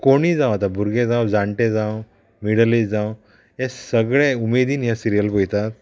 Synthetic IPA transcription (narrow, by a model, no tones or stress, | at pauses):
koɽ̃iːd͡zãw̃at̪abʱuɾɡẽd͡zãwd͡zaɳʈẽd͡zãw | miɽlid͡zãw | ẽsəɡɭeumed̪iːnijasiɾijəlpojt̪at̪̚